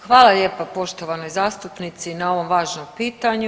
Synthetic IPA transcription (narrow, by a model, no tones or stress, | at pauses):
xʋaːlˠaʎeːpapo̞ʃt̪oʋano̞jzaːst̪upnit̪sinao̞ʋo̞mʋaːʒnompiːt̪aɲu